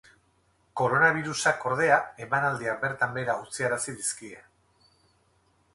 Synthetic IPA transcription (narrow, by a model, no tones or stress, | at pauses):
ko̞ɾo̞naβ̞iɾusako̞ɾð̞e̞ae̞manald̪iabe̞ɾt̪ambe̞ɾaut͡siaɾasiðiskie